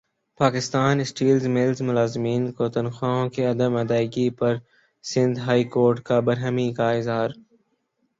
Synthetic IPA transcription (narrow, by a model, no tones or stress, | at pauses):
paːkɪst̪aːnɪsʈiːlzmɪlzmʊlaːzɪmiːnkot̪ɐnxaːõkeɐd̪əmɐd̪aːɪɡipɐɾ | sɪ̃nd̪ɦaːikoːɾʈkabɐɾɦəmikaɪzɦaːɾ